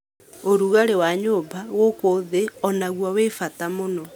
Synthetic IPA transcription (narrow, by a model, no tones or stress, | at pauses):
oɾuɣaɾewaɲoːbaɣokoðeɔnaɣwɔwefatamonɔ